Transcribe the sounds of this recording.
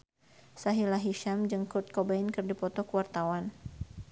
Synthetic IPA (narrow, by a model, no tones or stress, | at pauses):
saɦilaɦiʃamd͡ʒəŋkʊrt̪̚kɔbainkɨrdipɔt̪ɔkəwart̪awan